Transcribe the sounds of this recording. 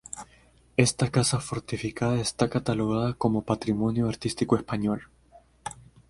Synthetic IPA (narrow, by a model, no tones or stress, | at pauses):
e̞st̪akasafo̞ɾt̪ifikaðaest̪akat̪alo̞ɣ̞aðako̞mo̞pat̪ɾimo̞njoaɾt̪ist̪ikoe̞spaɲo̞l